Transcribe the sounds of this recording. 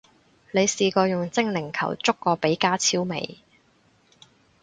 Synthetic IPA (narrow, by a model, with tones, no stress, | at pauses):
le˨˧jsiː˨˧kɔː˧jʊ˨ŋt͡sɪ˥ŋlɪ˨˩ŋkʰɐ̰˨˩wt͡sʊ˥kːɔː˧pe˨˥jkaː˥t͡sʰiː˥wmḛ˨˧j